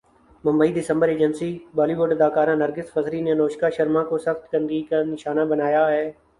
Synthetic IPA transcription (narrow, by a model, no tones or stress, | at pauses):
mʊ̃mbəiːd̪ɪsə̃mbəɾeːd͡ʒənsiːbɔːliːʋoɖəd̪aːkaːɾãːnəɾɡɪsfɐzɾinenoːʃkaʃəɾmãkosəxt̪ɡə̃nd̪iːkanɪʃaːnabənaːjaɦɛː